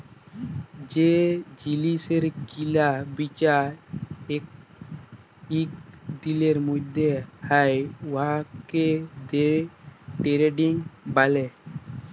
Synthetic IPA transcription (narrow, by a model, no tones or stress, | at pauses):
d͡ʒed͡ʒiliseɾkilabit͡ʃa | ek̚ | ikd̪ileɾmud̪ʱehəjɦaked̪e | ɖeɾeɖiŋbale